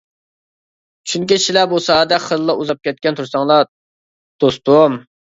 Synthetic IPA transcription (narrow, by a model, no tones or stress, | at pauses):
t͡ʃʰynkʲiʃilɛbusɑːd̪ɛχəllːˠɑuzɑp̚kʲɛt̪̚kʲɛnt̪ʰuɾsɑŋlˠɑ | d̪̥ost̪ʊm